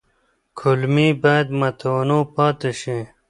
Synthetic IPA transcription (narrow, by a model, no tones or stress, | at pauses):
kʰulmiːbaːd̪mɐt̪ʰoːnoːpaːt̪eɕẽ